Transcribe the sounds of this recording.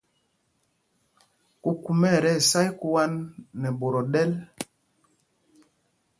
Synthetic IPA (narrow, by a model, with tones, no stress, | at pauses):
ku˨ku˨mɛ˦˨ɾɛ˦˨sa˦jku˦wa˦nːɛ˨ɓo˨ɾɔ˨ɗɛ˦l